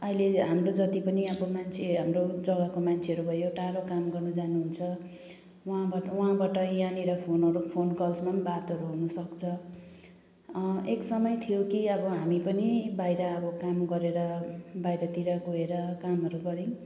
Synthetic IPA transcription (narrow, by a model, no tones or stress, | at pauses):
ʌileɦamrod͡zʌt̪ipʌniʌbʌmant͡sʰeɦamrod͡zʌɡʌkomant͡sʰeʌɾubʱʌjoʈalokamɡʌrnʌd͡zanuɦunt͡sʰʌ | ɦãbauɦãbaʈʌjaneɾʌpʰonʌɾupʰonkʌlsmʌnbat̪ʌɾuɦunʌsʌkt͡sʰʌ | eksʌmʌjt̪ʰijokiʌbʌɦamipʌnibajɾʌːbʌkamɡʌɾeɾʌbajɾʌt̪iɾʌɡoeɾʌkamɦʌɾuɡʌɾĩ